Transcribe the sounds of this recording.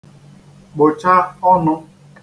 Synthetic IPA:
k͡po˨t͡ʃa˦ɔ˦nʊ˦

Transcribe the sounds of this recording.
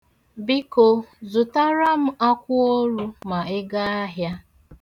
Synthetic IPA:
bi˦ko˨zʊ˨ta˦ɾa˦m̩˦a˦kʷʊ˦o˦ɾu˦ma˨ɪ˦ɡa˦a˦ɦja˦

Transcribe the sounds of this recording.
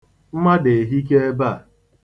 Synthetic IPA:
m̩˦ma˦de˨ɦi˦k̬e˦e˦ba˦˨

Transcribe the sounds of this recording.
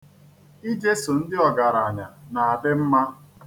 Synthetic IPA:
i˦d͡ʒe˦su˨n̩˦dɪ˦ɔ˨ɡa˨ɾa˨ɲa˨na˨a˨dɪ˦m̩˦ma˦

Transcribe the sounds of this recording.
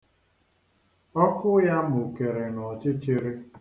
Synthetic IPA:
ɔ˦kʊ˦ja˦mʊ˨u˨ke˨ɾe˨nɔ˨t͡ʃɪ˦t͡ʃɪ˦ɾe˦

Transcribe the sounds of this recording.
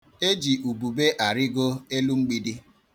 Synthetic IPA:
e˦d͡ʒi˨ʔu˨bu˨be˦ʔa˨ɾɪ˦ɡo˦e˦lu˦ŋ͡m̩˦ɡ͡bi˦di˦

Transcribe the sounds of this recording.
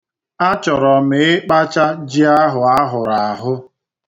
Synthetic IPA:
a˦t͡ʃɔ˨ɾɔ˨mɪ˨˦ɪ˦k͡pa˦t͡ʃa˦d͡ʒi˦a˦ɦʊ˨a˦ɦʊ˨ɾa˨a˨ɦʊ˦

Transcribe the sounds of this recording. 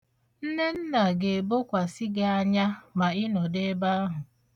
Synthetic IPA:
n̩˦ne˦n̩˦na˨ɡe˨bo˦kʷa˨si˦ɡe˨a˦ɲa˦ma˨ɪ˦nɔ˨de˦ba˦ɦʊ˨

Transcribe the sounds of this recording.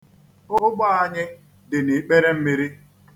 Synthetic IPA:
ʊ˦ɦʊ˦ɡ͡ba˦a˦ɲɪ˦ | dɪ˨ni˨k͡pe˦ɾe˦m̩˦mi˦ɾi˦

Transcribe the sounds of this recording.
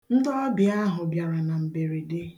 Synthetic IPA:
n̩˦dɔ˦bi˨a˦ɦʊ˨bja˨ɾa˨na˨m̩˨be˨ɾi˨dɪ˦

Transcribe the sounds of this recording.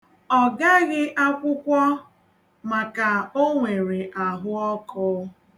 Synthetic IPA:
ɔ˨ɡa˦ɣɪ˦ʔa˦kʷʊ˦kʷɔ˦ | ma˨ka˨o˦ŋʷe˨ɾe˨ʔa˨ɦʊ˦ɔ˦kʊː˦

